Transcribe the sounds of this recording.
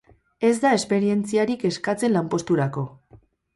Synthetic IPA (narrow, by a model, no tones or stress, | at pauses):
e̞zd̪ae̞spe̞ɾie̞nt͡siaɾike̞skat͡se̞nlampo̞st̪uɾako̞